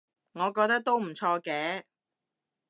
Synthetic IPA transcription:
ŋɔː˨˧kɔː˧k̚t̪ɐ˥k̚t̪o˥wm̩˨˩t͡ʃʰɔː˧kɛː˨˥

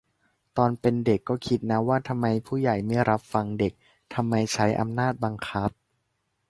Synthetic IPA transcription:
t̪ɔː˧npe˧nde˨˩kːɔː˥˩kʰi˦˥t̪̚na˦˥waː˥˩t̪ʰa˧mːa˧jpʰuː˥˩ja˨˩jma˥˩jɾa˦˥p̚fa˧ŋde˨˩k̚ | t̪ʰa˧mːa˧jt͡ɕʰa˦˥jʔa̰˧mnaː˥˩t̪̚ba˧ŋkʰa˦˥p̚

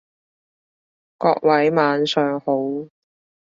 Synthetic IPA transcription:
kɔː˧k̚wʔɐ˨˥jmaː˨nsœː˨ŋho˨˥w

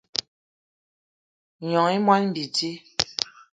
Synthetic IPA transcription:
ɲɔ˨ŋi˦mwa˦lm̩˨bi˨ti˦

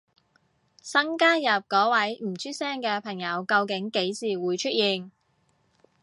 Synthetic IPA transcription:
sɐ˥ŋkaː˥njɐ˨p̚kɔː˨˥wɐ˨˥jm̩˨˩t͡sʰyː˥sɛː˥ŋkɛː˧pʰɐ˨˩ŋjɐ˨˧wkɐ˧wkɪ˨˥ŋke˨˥jsiː˨˩wuː˨˧jt͡ʃʰɵ˥t̚jiː˨n

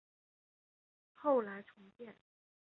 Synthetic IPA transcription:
xo˥˩ʊla˧˥ɪʈ͡ʂʰʊ˧˥ŋpjɛ˥˩n

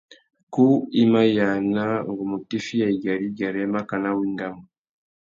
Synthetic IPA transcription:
ku˦i˦ma˦ja˨na˦ŋɡu˨mu˨ti˦fi˦ja˨i˨ɡa˨ɾi˦ɡa˨ɾe˦ma˦ka˨na˦wi˦ŋɡa˦mu

